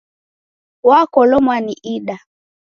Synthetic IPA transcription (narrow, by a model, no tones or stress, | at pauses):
wakɔlɔmwaniʔiɗa